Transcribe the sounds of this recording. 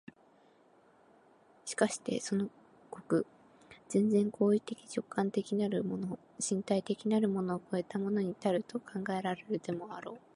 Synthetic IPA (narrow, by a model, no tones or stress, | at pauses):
ɕi̥kaɕi̥t̪e̞̰so̞no̞ | ko̞kɯ̟ | z̥ẽ̞nd͡zẽ̞ŋkʰo̞ːit̪e̞kʲi̥t͡ɕo̞kʰːãnt̪e̞kʲinaɾɯ̟mono | ɕĩnt̪ait̪e̞kʲinaɾɯ̟mo̞no̞ːko̞e̞t̪amo̞no̞ɲ̟it̪aɾɯ̟t̪o̞kʰãŋɡae̞ɾaɾe̞ɾɯ̟t̪e̞mo̞aɾo̞ː